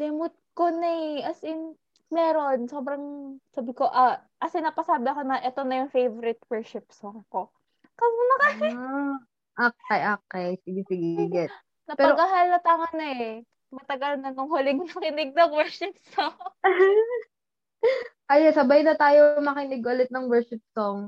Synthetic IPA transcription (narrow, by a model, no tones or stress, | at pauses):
d̪ɛmʊt̪̚konɐɐsɪn | mɛːɾo̞nso̞ːbɾɐŋsaːbɪko̞ʔɐ | ʔɐsɪnaːpɐsaːbɪɐko̞nɐʔɛt̪o̞nɐjʊŋfejvoɾɪt̪̚wɛɹʃɪp̚sɐŋko̞ | kɐʊnɐka | ʔokɛjʔokɛjsɪɡɛsɪɡɡɛ | nɐpɛɐɾɡɐɦalɐt̪ɐŋɐnɐɛ | mɐt̪ɐɡɐlnɐnoŋhʊlɪŋmɐkɪnɪɡ̚nɐŋwɛɹʃɪp̚soŋ | ʔɐjosɐbajnɐt̪aːjomɐkɪnɪɡ̚ʊlɛt̪̚nɐŋwɛɹʃɪp̚soŋ